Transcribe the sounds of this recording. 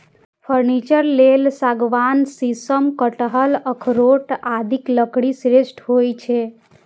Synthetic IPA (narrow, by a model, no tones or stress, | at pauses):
pʰəɾnit͡ʃəɾlelsaɡʋansisəmkəʈəɦələkʰɾoʈad̪ʱikləkɽisɾesʈɦojt͡ʃʰɛ